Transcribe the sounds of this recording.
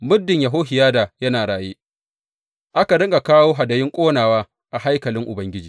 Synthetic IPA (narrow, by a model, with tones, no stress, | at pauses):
mʊ˦dːɪ˨ɲjɐ˨ɦoː˦ɦɪ˨jaː˦da˨jɐ˦naː˨ɽaː˨jeː˦ | ʔa˦ka˨dɐ˦ŋɡa˨kaː˦woː˦ɦa˨dɐ˨jɪ˦ŋkʷʼoː˦naː˨waː˦ | ʔa˨ha˦jkɐ˨lɪ˦ŋʔʊ˨bɐ˦ŋɡʲɪ˦d͡ʒiː˨